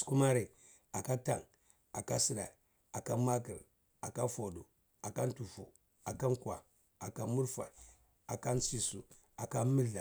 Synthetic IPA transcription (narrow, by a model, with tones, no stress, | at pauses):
sku˦ma˦ɾe˨ | a˨ka˦ta˨ŋ | a˨ka˦si˦ɾa̰˨ | a˨ka˦ma˦kə˨ɾ | a˨ka˦fo˨dṵ˨ | a˨ka˦n˦tu˨fu˨ | a˨ka˦ŋ˦ka˨ | a˨ka˦mu˦ɾfa̰˨ | a˨ka˦nsi˦su˨ | a˨ka˦mi˦ɮa˨